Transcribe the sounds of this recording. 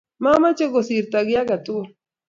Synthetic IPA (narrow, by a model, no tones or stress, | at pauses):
mamat͡ʃeɡosiɾt̪aɡjaɡat̪u